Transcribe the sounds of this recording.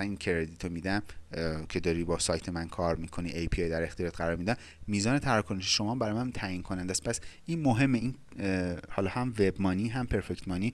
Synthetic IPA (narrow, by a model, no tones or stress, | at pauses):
ænincʰeɾed̪it̪ʰomiːd̪æmkʲʰe̞d̪ɒːɾiːbɒːsɒːjt̪ʰemænkʰɒːɾmikʰoniʔejpʰiejd̪æɾe̞xt̪ijɒːt̪ʁæɾɒːɾmid̪æm | mːiːzɒːne̞t̪ʰæɾæɾkʰoneʃiʃo̞mɒːmbæɾɒːjmænt̪ʰæːjinkʰo̞nænd̪æst̪̚pʰæsinmoɦe̞mːein | hɒːlɒːhæmve̞bmɒːniːɦæmpʰe̞ɾfect̪mɒːni